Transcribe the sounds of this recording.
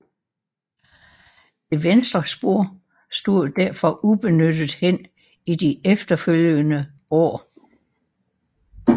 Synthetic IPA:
d̥e̝ʋensd̥ʁɐsb̥o̝ɐ̰ | sd̥o̝ðˠd̥æɐfɒ̽ʔub̥e̝nød̥ð̩ˠhen̰ | id̥iefd̥ɐføljənə | ɒ̰ː

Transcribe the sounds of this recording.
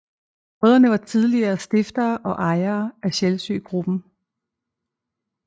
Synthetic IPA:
ʁœðˠɐnəʋɑ̈t͡sʰið̞ˠliɐːsd̥e̝fd̥ɐːʔɒ̽ʔɑ̈ɪɐːæɕelsy̰ːɡ̥ʁub̥n̩

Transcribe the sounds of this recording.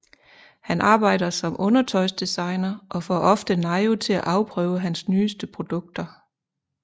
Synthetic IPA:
hænʔɑ̈ːb̥ɑ̈ɪ̰dɐsɒ̽mʔɔ̽nɐt͡sʰɒɪsd̥esɑ̈ɪnɐʔɒ̽fɒ̰ʔɒ̽fd̥ənɑ̈ɪot͡sʰe̝læʔɑ̈ʊpʰʁœːʊəɦænsnyːsd̥əpʰʁo̝d̥ɔ̽ɡ̥̚d̥ɐ

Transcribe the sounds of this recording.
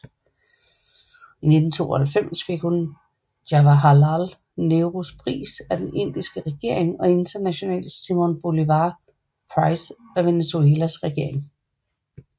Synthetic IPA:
ine̝d̥n̩t͡sʰo̝̰ːɒhælfem̰sfe̝ɡ̥hun̥ | jɑʋæɦɑlal | ne̝ʊʁospʰʁḭːsæd̥ene̝n̰d̥isɡ̥əʁɛɡ̥e̝ɐ̰eŋɒ̽e̝nd̥ɐnæɕo̝nɛ̰ːləsimonb̥o̝liʋɑ | pʰʁɑɪsæʋe̝nesueːlæsʁɛɡ̥e̝ɐ̰e̝ŋ

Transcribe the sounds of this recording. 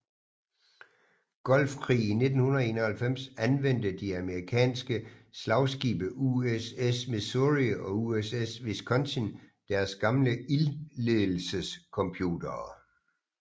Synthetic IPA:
ɡ̥ɒ̽lfkʰʁḭːine̝d̥n̩hunɐð̩ˠe̝ːnɐhælfem̰sænʋen̰d̥əd̥iæməʁikʰɛ̰ːnsɡ̥əslɑ̈ʊsɡ̥ḭːb̥əʔuesesmeðsoʁiɒ̽uesesʋeskʰɒ̽nsʰin | d̥æɐsɡ̥ɑ̈mləilleðˠl̩səskʰɒ̽mpʰjṵːd̥ɐː

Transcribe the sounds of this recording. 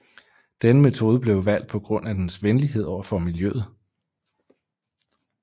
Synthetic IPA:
d̥enəme̝t͡sʰo̝ːð̞ˠəb̥le̝ʊʋæl̰d̥̚pʰɒ̽ɡ̥ʁɔ̽n̰æd̥ensʋenliɦe̝ð̞̰ˠɒʊ̰ɐfɒ̽miljøð̩ˠ

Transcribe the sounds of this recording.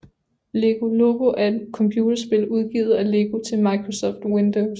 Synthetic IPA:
le̝ɡ̥o̝loɡ̥o̝ʔæɐe̝d̥kʰɒ̽mpʰjuːd̥ɐsb̥e̝luð̞ˠɡ̥ḭːð̩ˠæle̝ɡ̥o̝t͡sʰe̝lmɑ̈ɪkʰʁo̝sɒ̽fd̥wend̥oʊs

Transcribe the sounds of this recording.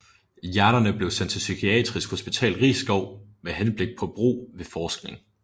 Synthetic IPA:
jæɐnɐnəb̥le̝ʊsæn̰t͡sʰesykʰiɛ̰d̥ʁisɡ̥ho̝sb̥it͡sʰɛ̰ːlʁḭːsɡ̥ɒʊ̰meɦenb̥le̝ɡ̥̚pʰɒ̽b̥ʁṵːʋe̝fɒːsɡ̥̚ne̝ŋ

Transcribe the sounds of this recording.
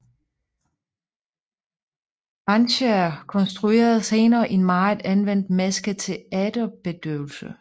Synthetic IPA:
b̥ʁɑ̈nɕəæɐkʰɒ̽nsd̥ʁue̝̰ːɐð̞̩ˠse̝ːnɐːʔenmɑ̈ɪðˠænʋen̰d̥mæsɡ̥ət͡sʰe̝æd̥əb̥e̝d̥øʊl̩sə

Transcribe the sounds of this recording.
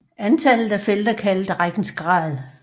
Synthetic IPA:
ænt͡sʰælð̩ˠæfel̰d̥ɐkʰæld̥ʁaɡ̥n̩sɡ̥ʁɑ̰̈ːðˠ

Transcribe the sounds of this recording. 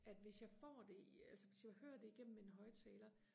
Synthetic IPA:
ʔæd̥ʋe̝sjɑ̈ɪfɒ̰ːd̥e̝ælsəʋe̝sjɑ̈ɪhøɐd̥e̝iɡ̥en̰m̩meenɦɒ̽ɪt͡sʰɛːlɐ

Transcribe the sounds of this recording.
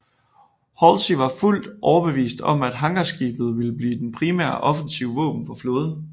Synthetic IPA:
hɒlsiʋɑ̈ful̰d̥ʔɒʊɐb̥e̝ʋḭːsd̥ɒ̽m̰æd̥ɦɑ̈ŋɡ̥ɐsɡ̥ḭːb̥ð̞̩ˠʋiləb̥liːd̥enpʰʁimæ̰ɐ̰ʔɒ̽fənsiʊəʋɔ̰ːb̥n̩fɒflo̝ːð̞ˠ

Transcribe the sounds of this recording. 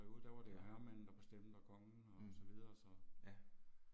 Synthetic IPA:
oð̩̰ˠd̥æɐʋɑ̈d̥eɦæɐmæn̰n̩d̥ɑ̈b̥esd̥em̰d̥ækʰɒ̽ŋn̩ɒsɒ̽ʋið̞ˠɐsɒ̽

